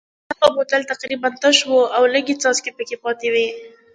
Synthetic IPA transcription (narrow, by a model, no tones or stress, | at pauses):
haɣabot̪alt̪aqɾibant̪əʃwoawləɡit͡sɑzkepəkepɑt̪ewi